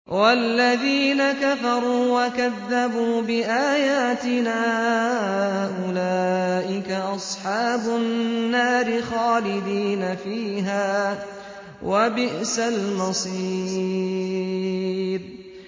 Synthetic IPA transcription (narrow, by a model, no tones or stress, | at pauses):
walːaðiːnakafɑɾˤuːwakaðːabuːbɪʔaːjaːt̪ɪnaːhhaʔʊlaːʔɪkaʔɑsˤħɑːbʊnːaːɾɪxaːlɪd̪iːnafiːɦaː | wabɪʔsalmɑsˤiː | ɾ